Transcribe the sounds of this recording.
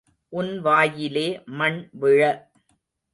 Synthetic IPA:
ʔʊnʋaːjɪleːmɐɳʋɪɻɐ

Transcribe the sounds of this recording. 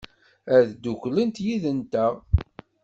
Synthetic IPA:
æðd̪uçlənt̪jiðənt̪æʁ

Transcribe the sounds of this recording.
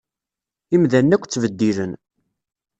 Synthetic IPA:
imðænːækʷːt͡sːvəd̪ːilən

